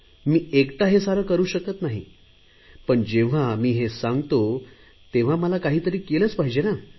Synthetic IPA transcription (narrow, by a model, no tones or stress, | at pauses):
miːekt̪aɦesaɾəkəɾuːɕəkət̪naɦi | pəɳd͡ʑeʋ̤amiːɦesãŋɡt̪o | t̪eʋ̤aməlakaɦiːt̪əɾiːkeləːt͡spaɦid͡ʑena